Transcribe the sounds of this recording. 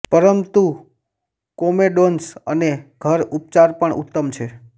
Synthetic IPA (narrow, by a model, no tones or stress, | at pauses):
pəɾəmt̪u | komeɖonsəneɡʱəɾup̚t͡ʃaɾpəɳʔṵt̪ːəmt͡ʃʰe